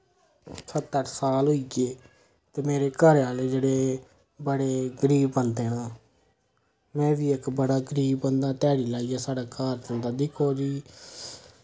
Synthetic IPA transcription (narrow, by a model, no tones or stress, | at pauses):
sʰət̪ːəɾsaːlɦoiɡeː | t̪eːmeːɾeːkəɾãːleːd͡ʒeːɽeː | bəɽeːɡəɾiːbːənd̪eːnaː | mɛ̃ːʋiːɪkbəɽaːɡəɾiːbːənd̪ãːt̪aːɽiːlaːiːaːsaːɽaːkaːɾt̪ənd̪aːd̪ɪkʰoːd͡ʒiː